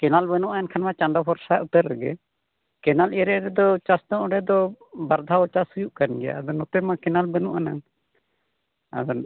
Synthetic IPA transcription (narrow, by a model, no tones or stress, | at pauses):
kɛnalbɛnuʔajankʰanmat͡ʃaɳɖapʰɔɾsaʔut̪ɛɾːɛɡɛ̰ | kɛnalɛɾɛɾɛd̪ɔt͡ʃast̪ɔŋɾɛd̪ɔbaɾd̪ʱaɔt͡ʃasujuʔkanɡɛja̰ad̪ɔnɔt̪ɛmakɛnalbɛnuʔana | a̰d̪ɔ